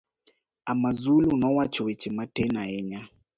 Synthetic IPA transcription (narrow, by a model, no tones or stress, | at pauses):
amazulunɔwat͡ʃɔwɛt͡ʃɛmatɛnaɛɲa